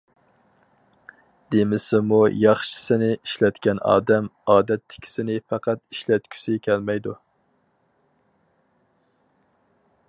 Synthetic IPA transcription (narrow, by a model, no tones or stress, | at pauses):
d̪̥emɪsɪmujɑχʃɪ̥sɪnɪiʃlɛt̪kʲɛnɑ̰ːd̪ɛmɑːd̪ɛt̪ʰːɪ̥kʲʰi̥sɪnɪfæqʰɑt̪iʃlɛt̪kʲʰy̥sɪkʲʰɛlmɛjd̪u